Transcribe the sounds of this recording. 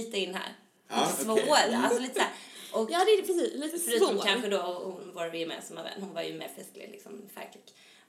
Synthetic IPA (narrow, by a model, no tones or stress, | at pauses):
iːt̪əɪnːhæ̰ːɾ | svoːalsɔliːt̪əsæːɾʔɔkːd̪ɛsiifœɾʉːt̪nkʰanɧəd̪ɔɔhʊnvɑːɾvɪjɪɛmḛːnsamhavɛ̰nːhʊnvaɾjɵ̰mḛːɾfɛsklɪ̰lɪ̰ksɔmfæ̰ɾkʰɪɡ̥